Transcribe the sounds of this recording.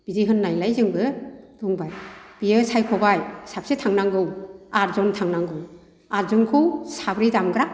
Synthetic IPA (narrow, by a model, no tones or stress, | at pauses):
b̥iziɦɯnːajlajzɯŋbɯdɔŋbajb̥ijɯsajkʰɔbajsap̚setʰaŋnaŋɡɯwaɾzɔntʰaŋnaŋɡɯw | aɾzɯŋkʰɯwsabɾidamɡɾa